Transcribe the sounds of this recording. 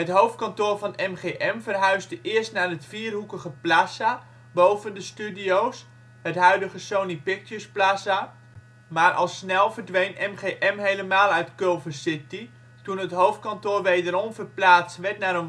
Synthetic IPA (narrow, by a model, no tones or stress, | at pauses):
ɦətɦowftkɑntoːɹvɑnɛmχeʔɛmvərɦœɥzdəʔɪərstnaːrətfiːrɦukəχəplasa | bowvəndəstydiows | hətɦœɥdəχəsownipɪk̚təsplasa | maːrʔɑ̰lˠsnɛlˠvərdʋejnɛmχeʔɛmɦejləmaːlˠœɥtkoːvəsɪti | tunɦətɦowft̚kɑntoːrʋejdəɾɔmvərplaːstʋɛtnaɾən